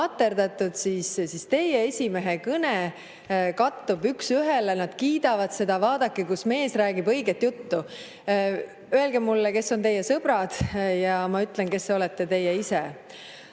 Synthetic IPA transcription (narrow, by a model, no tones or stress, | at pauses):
ɑt̪ːˑe̞ɾd̪ɑt̪ːˑud̪̥sissist̪e̞jee̞sʲime̞ɦekɤne | kɑt̪ːubyksyɦe̞lenɑd̪̥kiːd̪ɑvɑd̪̥se̞d̪̥ɑvɑːd̪ɑkːˑikusme̞ːsræːɡibɤ̞jɡet̪jut̪ːu | øe̞lɡemːulːeke̞sːo̞nt̪e̞jːesɤb̥ɾɑd̪̥jɑmɑyt̪ˑlenke̞sːeo̞lɛt̪ːe̞t̪e̞jːeise